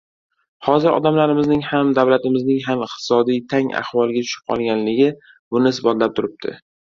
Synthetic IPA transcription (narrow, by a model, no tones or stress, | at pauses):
hɒzɪɾɒ̰d̪amlaɾɪmɪznɪŋhamd̪awlat̪ɪmɪznɪŋɦamɪq̚t̪ʰɪ̥sɒd̪ijt̪ʰaŋa̰hvɒlˠɡʲat̪ʰʊ̥ʃɪp̚qʰɒ̰lˠɡʲanlɪɡʲɪ | bʊnɪsbɒt̪lap̚t̪ʰʊɾɪp̚t̪ʰɪ̰